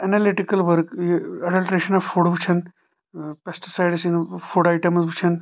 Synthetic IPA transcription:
ɐnɐliʈikɐlʋəɾkjɐɖɐlʈɾeʃɐnɐfuɽbʱut͡ʃʰɐn | pesʈi̥sajɖsinfuɽajʈɐmsbʱut͡ʃʰɐn

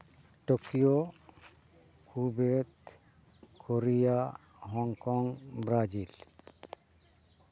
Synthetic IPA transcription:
ʈokijo | kʰubet̪ | kʰoɾija | ɦɔŋkɔŋbɾad͡ʒil

